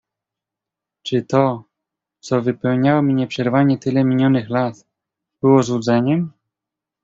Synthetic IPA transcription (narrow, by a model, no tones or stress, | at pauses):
t͡ʂɘt̪ɔ | t̪sɔvɘpɛwɲawɔmʲiɲɛpʂɛɾvaɲɛt̪ɘlɛmʲiɲɔnɘxlat̪ | b̥ɘwɔzwud̪zɛɲɛm